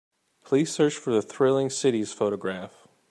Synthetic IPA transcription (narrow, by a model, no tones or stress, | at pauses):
pʰl̥iz̥sɜ˞t͡ʃfə˞ðɨθɹɪlˠɪ̃ŋsɪɾiz̥foʊɾɨɡɹæf